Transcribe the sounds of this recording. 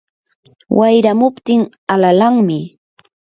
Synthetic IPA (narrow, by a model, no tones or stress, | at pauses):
wʔajɾamʊpt̪ɪŋ | alalaŋmɪ